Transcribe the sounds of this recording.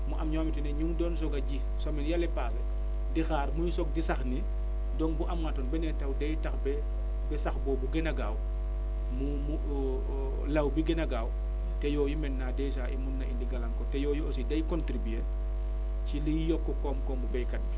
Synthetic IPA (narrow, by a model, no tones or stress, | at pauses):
muʔɐmɲɔːmitɛnɛɲuŋdɔns̬ɔɡɐɟi | sɔmɛnjalɛpasɐ | dixaːɾmuɲsɔk̚disɐxni | dɔŋbuʔamŋatɔnbɛnɛntɐwdɐjtɐxbɛ | bɛsɐxbɔːbuɡɛnɐɡaːw | mumu | lɐwbiɡɛnɐɡaːw | tɛjɔːjumɛnːaːdɛjs̬aːʔḭmunːɐʔindiɡɐlɐŋkɔtɛjɔːjuos̬idɐjkɔntɾibe | cilijjɔkːɔkɔmkɔmubɛjkɐt̚i